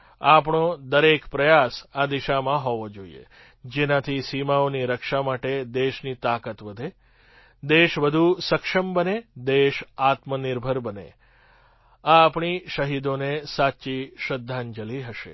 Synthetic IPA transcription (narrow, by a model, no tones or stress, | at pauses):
apɳod̪əɾekpɾəjasad̪iʃamãɦɔʋod͡ʒoḭḛ | d͡ʒenãt̪ʰisimaoniɾəkʃamaʈed̪eʃnit̪akət̪ʋəd̪ʱe | d̪eʃʋəd̪ʱusəkʃəmbəned̪eʃat̪məniɾbʱəɾbənḛ | aːpɳiʃəɦid̪onesaʃiʃəd̪ʱːand͡ʒəliɦəʃḛ